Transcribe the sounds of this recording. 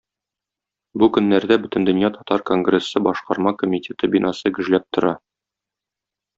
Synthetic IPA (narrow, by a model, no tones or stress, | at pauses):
bukɵ̆nːæɾd̪æbɵt̪ɘ̆nd̪ɵ̆njɑt̪ɒt̪ɑɾkoŋɡrʲe̞sːɤbɒʃqɑɾmɑkomʲitʲʰe̞t̪ɤbʲinʔɑsɤɡɵ̆ʒlæp̚t̪ŏɾɑ